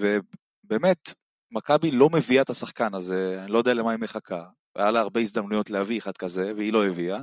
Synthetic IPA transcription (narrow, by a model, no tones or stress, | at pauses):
ve̞ | be̞ːme̞t̪ | makabilo̞me̞viaet̪asaχkanaze̞anilo̞jdealemaimeχakʰa | v̰jalaːʁbeis̬d̪amnujo̞tlehavieχad̪̚kaze̞veilo̞evia